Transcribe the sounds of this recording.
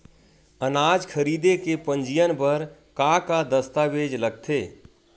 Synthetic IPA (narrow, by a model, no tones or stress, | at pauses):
ənaːd͡ʒkʰəɾiːd̪ekepə̃nd͡ʒijənbəɾkakad̪əst̪abed͡ʒləɡ̚t̪ʰeː